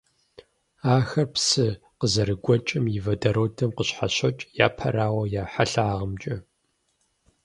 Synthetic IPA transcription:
aːxɐrpsɨ | qəzɐɾɨɡʷɔt͡ʃʼɪmjɪvɐdɐɾoːdʰɐmqəɕħaɕɐt͡ʃʼja̰ːpʰɐ̰ɾaːwɐjaːħaɬaːʁəmt͡ʃʼɐ

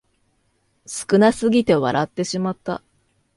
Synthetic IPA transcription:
sɨ̥kɯ̟nasɨɡʲit̪e̞βa̰ɾʔat̪ːe̞ɕimat̪ːa̰

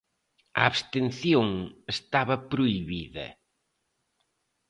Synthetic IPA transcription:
ɐaβst̪enθjoŋest̪aβɐpɾoiβiðɐ̰

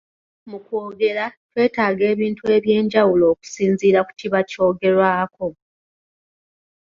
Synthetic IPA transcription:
mukwo̞ːɡe̞ɾatwe̞ːtaːɡe̞ːβiːntue̞βje̞ːɲɟawulo̞ːku̥siːnziːɾaku̥tʰiβaco̞ːɡe̞ɾwaːko̞

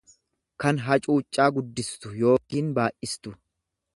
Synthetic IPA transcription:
kɐnɦɐt͡ʃʼuːt͡ʃʼːaːɡʊd̪ːɪst̪ʊjo̞ːkiːnbaːʔɪst̪ʊ

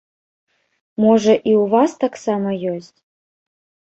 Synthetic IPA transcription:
moʐɐʔiuvast̪aksamɐjosʲtʲ

